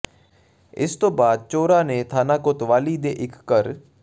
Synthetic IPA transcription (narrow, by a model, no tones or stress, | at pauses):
ɪ̰st̪õːbaːd̪̚t͡ʃoːɾãːneːt̪ʰaːnaːkʊt̪ʋaːliːd̪eːʔɪkʰːəɾ